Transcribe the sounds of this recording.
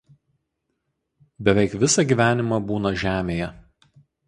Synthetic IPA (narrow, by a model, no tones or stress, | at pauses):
bʲɛʋʲɛɪkʋʲɪsɐɡʲiːʋʲæːnʲɪmɑˑbuːnɐʒʲæːmʲeːjɛ